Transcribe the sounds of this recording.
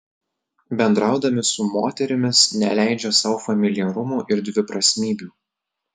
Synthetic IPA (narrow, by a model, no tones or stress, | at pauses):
bʲɛnd̪ɾɑˑʊd̪ɐmʲɪsʊmoːt̪ʲɛɾʲɪmʲɪsnʲɛlʲæˑɪd͡ʒʲosɑːfɐmʲɪlʲɪjɛɾʊmuːʔɪɾd̪ʲʋʲɪpɾɐsʲmʲiːbʲuː